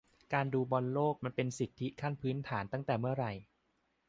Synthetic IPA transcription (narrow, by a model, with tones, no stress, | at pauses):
kaː˧nduː˧bɔ˧nloː˥˩k̚ma˧npe˧nsi˨˩t̪ʰːi˦˥kʰa˥˩npʰɯː˦˥nt̪ʰaː˩˦nt̪a˥˩ŋt̪ɛː˨˩mɯ˥˩ɐɾa˧j